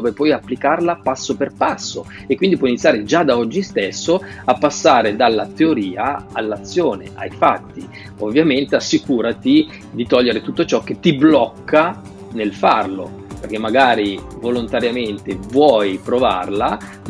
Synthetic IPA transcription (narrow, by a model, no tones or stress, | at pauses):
ovepwɔjapːlikarlapasːoperpasːo | ekːwind̪ipwɔinit̪sjaːɾed͡ʒad̪aɔd͡ʒːist̪esːoapːasːaːɾed̪alːat̪eoɾiːaalːat̪sːjoːnḛʔa̰jfat̪ːi | ovːjament̪easːikuːɾat̪i | d̪it̪ɔʎːeɾet̪ut̪ːot͡ʃɔk̟ːet̪ːiblɔkːa | nelfarlo̰perk̟emːaɡaːɾivolont̪aɾjament̪evwɔjpɾova̰rla